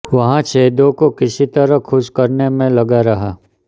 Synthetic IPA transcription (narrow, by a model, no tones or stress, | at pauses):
ʋɐɦãt͡ʃeːd̪õkokɪsit̪ɐɾəɦkʰʊʃkɐɾnemẽlɐɡaɾɐɦaː